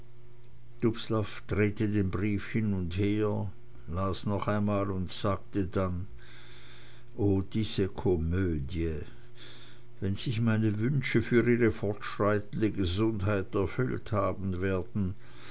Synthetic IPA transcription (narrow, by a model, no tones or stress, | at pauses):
d̥ʊpslafd̥ʁeːtədeːnbʁiːfhɪnʊntheːɐ | laːsnɔχaɪnmaːlʊntz̥aːk̚tədan | ʔoːd̥iːz̥əkʰɔmøːdjə | vɛnz̥ɪçmaɪnəvʏnʃəfyːʁiːʁəfɔɐtʃʁ̥aɪtən̩dəɡəzʊnthaɪtɛɐfʏlthaːbn̩veːɐdn̩